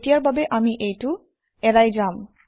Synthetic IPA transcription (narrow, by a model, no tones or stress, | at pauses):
ʈijaɾbʱabeʔamiʔejʈu | ɛɾajd͡ʑam